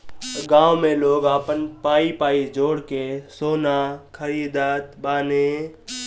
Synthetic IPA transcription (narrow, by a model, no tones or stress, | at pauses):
ɡãːʋmẽloːɡaːpənpaːipaːid͡ʒoːɽkesoːnakʰəɾiːd̪aːt̪baːne